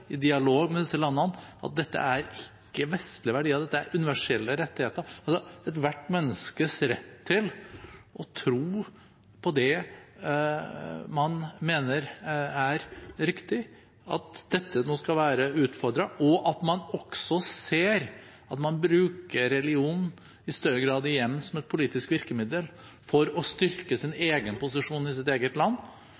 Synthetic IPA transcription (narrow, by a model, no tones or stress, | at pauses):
ɪd̪ɪɑloːɡmɛd̪ɪsːəlɑnːəɑnɑ̰t̪̚d̪ɛt̪ːə̰æɾɪkːəʋɛst̪lɪəʋæɖiːɑd̪ɛt̪ːəæ̰ɾʔʉnɪʋæʂɛlːəɾɛt̪ːɪheːt̪əɾɑlsɔɛt̪ʋæʈːmɛnːəskəsɾɛ̰t̪ʰːɪlʔɔt̪ʰɾuː | pʰɔd̪ɛ | mɑnmeːnəɾæɾɾɪkt̪ɪ | ɑ̰t̪d̪̥ɛt̪ʰːənoːskɑlʋæːɾəʉːt̪fɔɾd̪ɾɑʔɔʔɑt̪mɑnɔksɔseːɾ | ɑt̪mɑnbɾʉːkəɾɛlɪuːnn̩ | ɪst̪œɾːəɡɾɑːd̪ɪjɛmːsɔmɛt̪̚pʰʊliːt̪ɪskʋɪɾkəmɪd̪əl | fɔɾɔst̪ʏɾkəsɪneːɡənpʊsɪʂuːnɪs̬ɪt̪eːɡət̪lɑnː